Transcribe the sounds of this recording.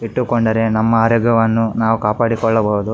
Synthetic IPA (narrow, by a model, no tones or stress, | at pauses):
iʈːukɔɳɖɐɾe̞nɐmːɐaːɾɐɡɐʋɐnːunaːʋukaːpaːɽikɔɭːɐbɐɦud̪u